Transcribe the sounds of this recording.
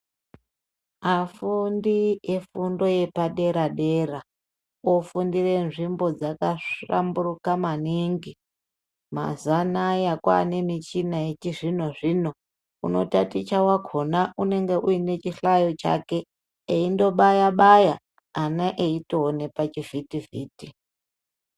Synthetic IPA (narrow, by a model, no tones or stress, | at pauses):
afundiefundo̞je̞paɗe̞ɾaɗe̞ra | ofundire̞nʐimbo̞d͡zakaʂa̰mburukamaniŋɡi | ma̰zanajakwa̰ne̞mit͡ʃinaet͡ʃiʐin̤o̞ʐino̞ | ṵno̞̰tatit͡ʃawakʰo̞naʔune̞ŋɡe̞ʔuine̞t͡ʃiɬajo̞t͡ʃa̰ke̞ː | indo̞ɓajaɓajaː | naʔeitoːne̞pat͡ʃivitivḭːti